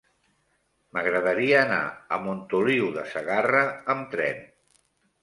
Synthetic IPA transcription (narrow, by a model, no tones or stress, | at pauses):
məɣɾəðəɾiəːna̰ə̰mont̪uliuðəsəɣarəːmt̪ɾɛ̰n